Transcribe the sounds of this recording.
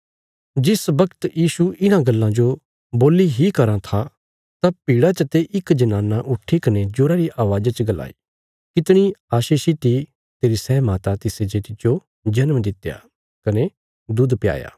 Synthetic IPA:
d͡ʒɪsbɐkt̪jiːsuɪnãɡɐlːãd͡ʒo | boːliɦikɐɾãt̪ʰa | t̪apiːɽat͡ʃɐt̪eʔɪkd͡ʒɐnaːnaʔʊʈʰːikɐned͡ʒʊɾaɾiʔaːʋaːd͡ʒat͡ʃəɡɐla̰ːi | kɪt̪ɽ̃iaːʃiːʃit̪i | t̪eːɾisɛːmaːt̪at̪ɪsed͡ʒet̪ɪd͡ʒo | d͡ʒɐnmd̪ɪt̪ːja̰ | kɐne | d̪ʊd̪pja̰ːja̰ː

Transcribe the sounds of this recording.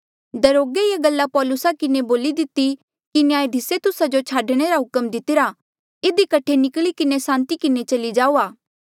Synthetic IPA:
d̪ɐɾoːɡeieɡɐlːapɔːlʊsakɪneboːlid̪ɪt̪i | kinɪjãːed̪ʱɪset̪ʊsad͡ʒot͡ʃʰaːɖɽ̃eɾaɦʊkəmd̪ɪt̪ɪɾa | ɪd̪ikɐʈʰenɪkɭikɪnesãːnt̪ikɪnet͡ʃɐlid͡ʒaːuːaː

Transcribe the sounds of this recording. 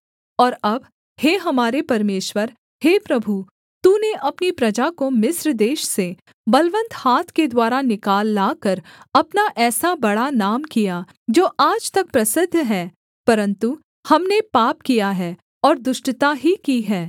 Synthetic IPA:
ɔːɾɐb | heːɦɐmaːɾepɐɾmeːʃwəɾ | heːpɾɐbʱu | t̪uːneʔɐpnipɾɐd͡ʒakomɪsɾd̪eːʃse | bɐlʋə̃nt̪haːt̪ʰked̪waːɾanɪkaːlːaːkəɾɐpnaʔɛːsabɐɽanaːmkija | d͡ʒoːʔaːd͡ʒt̪ɐk̚pɾɐsɪd̪ʱːɦɛː | pɐɾə̃nt̪u | hɐmnepaːp̚kijaɦɛː | ɔːɾd̪ʊʃʈt̪aɦikiɦɛː

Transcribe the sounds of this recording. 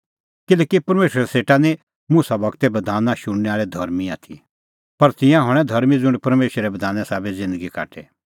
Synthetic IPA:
kɪlɛːkipɐɾmeːʃɾɛseːʈani | mʊsabɐɡt̪ɛbɐd̪ʱaːnãʃʊɽ̃nɛaːɭɛd̪ʱɐɾmia̰ːt̪ʰḭ | pɐɾt̪ɪjãɦɐɽ̃ɛd̪ʱɐɾmid͡zʊ̃ɳɖpɐɾmeːʃɾɛbɐd̪ʱaːnɛsaːbed͡zɪ̃nd̪əɡika̰ːʈʰḛ

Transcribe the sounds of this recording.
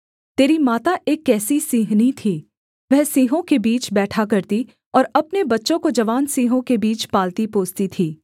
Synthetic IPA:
t̪eːɾimaːt̪aʔeːkːɛːsisiːɦnit̪ʰiː | ʋɛɦsiːɦõkebiːt͡ʃbɛːʈʰakɐɾt̪i | ɔːɾɐpnebɐtːʃõkod͡ʒɐʋaːnsiːɦõkebiːt͡ʃpaːlt̪ipoːst̪it̪ʰiː

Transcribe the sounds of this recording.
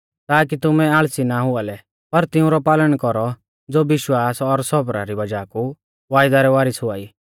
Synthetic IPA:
t̪aːk̬it̪ʊmɛaːɭsinaɦʊalɛ | pɐɾt̪ɪʊ̃ɾɔpaːləɽ̃kɔɾɔ | d͡zoːbɪʃwaːsɔɾsɔbɾa̰ɾibɐd͡ʒaːku | ʋaːjd̪aɾɛʋaːɾɪsɦʊaːiː

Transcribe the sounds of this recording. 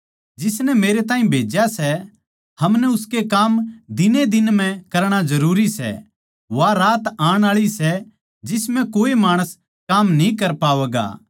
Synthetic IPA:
d͡ʒɪsnɛmeːɾet̪̬aːĩbʱeːd͡ʒjasɛ | hɐmnɛʊskekaːmd̪ɪned̪ɪnm̤ɛ̃kɐɾɽ̃ad͡ʒɐɾuːɾisɛ̰ | ʋaɾaːt̪aːɽ̃aːɭisɛ | d͡ʒɪsmɛ̃koːemaːɽ̃əs | kaːmnĩkɐɾpaːʋɛːɡa̰ː

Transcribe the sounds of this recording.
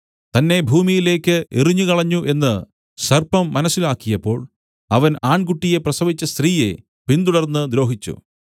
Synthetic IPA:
t̪ɐnːe̞bʱuːmijile̞ːkːɨʔiriɲːukɐɭɐɲːuʔe̞nːɨ | sɐrpɐmːɐnɐsːilaːkːijɐpːo̞ːɭ | ɐʋɐnaːɳkuʈːije̞prɐsɐʋit͡ɕːɐst̪riːje̞ | pint̪uɽɐrnːɨd̪ɾo̞ːɦit͡ɕːṵ

